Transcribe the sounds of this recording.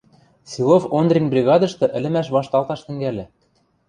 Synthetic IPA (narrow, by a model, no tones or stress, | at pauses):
sʲilˠofond̪rʲinbrʲiɣɑd̪ɤ̆ʃt̪ɤ̆ʔɘ̆lɘ̆mæʃ̬βɑʃt̪ɑlˠt̪ɑʃt̪ɘ̆ŋɡælʲɘ̆